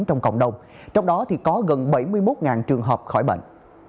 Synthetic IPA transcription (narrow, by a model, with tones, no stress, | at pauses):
nt͡ɕɔ˧wŋ͡mkə̰˧˨wŋ͡mɗə˧wŋ͡m | t͡ɕɔ˧wŋ͡mɗɔ˨˦t̪ʰi˨˩kɔ˨˦ɣə˨˩nɓə˧˩jmɨ˧əjmo˦˥t̚ŋaː˨˩nt͡ɕɨ˨˩əŋɦəː˨˩p̚xɔ˧˩jɓə̰˧˨ŋʔ